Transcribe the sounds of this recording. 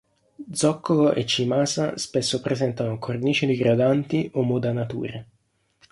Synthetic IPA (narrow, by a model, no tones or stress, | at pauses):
d̪zɔkːoloʔet͡ʃːimaːsa̰spesːopɾezɛnt̪anokʰorniːt͡ʃed̪iɡɾad̪ant̪iʔomːud̪anat̪ṵːɾe